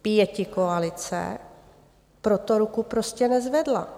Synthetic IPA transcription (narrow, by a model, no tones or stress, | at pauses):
pjɛcɪkoalɪt͡sɛ̰ | pɾot̪oɾukupɾoscɛnɛzvɛdla̰